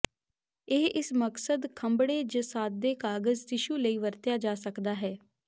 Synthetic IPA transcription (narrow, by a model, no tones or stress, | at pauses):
eːɪsməksəd̪kʰəmbɽeːd͡ʒəsaːd̪̚d̪eːkaːɡəzt̪ɪʃuːləiːʋəɾt̪jaːd͡ʒaːsəkd̪aːɦɛː